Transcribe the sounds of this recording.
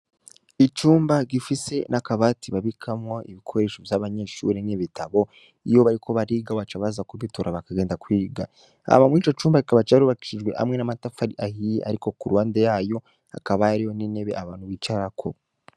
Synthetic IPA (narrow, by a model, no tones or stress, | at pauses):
it͡ʃuːmbaɡifise̞nakaβatiβaβikʰamwoʔiβikʰo̞ɾe̞ːʃovjaːβaɲe̞ːʃṵɾiniβitʰaβo̞ | ijo̞βaɾikʰo̞βaɾiːɡaβat͡ʃaβazakuβitoɾʔaβakaɡe̞ːndakwiːɡa̰ | a̰βamwiːt͡ʃo̞t͡ʃuːmbaɡikaβat͡ʃaaɾuβaki̥ʃiʒɡwe̞ʔha̰mŋe̞namatafaɾiʔahiʔa̰ɾiko̞kuɾwaːndejaːjo̞ | a̰kaβajaɾiho̞niːne̞βe̞aβaːnhuβit͡ʃaɾakʰo̞